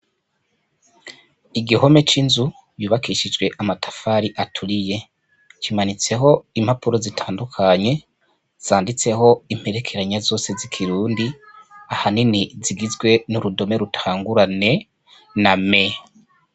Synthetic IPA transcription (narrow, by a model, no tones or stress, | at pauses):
iɡiho̞me̞t͡ʃinzu | juːβakʰiʃid͡ʒɡwe̞ʔamatʰḁfaːɾiʔatʰuɾije̞ | t͡ʃimanit͡se̞ɦo̞imhapuɾozitʰaːndukʰaɲe̞ | z̥aːndit͡se̞ho̞im̥he̞ɾe̞kʰe̞ɾaɲazo̞ːse̞zikʰiɾuːndi | ahaniniziɡizɡwe̞nuɾudo̞me̞ɾutʰaːŋɡuɾane̞ | name̞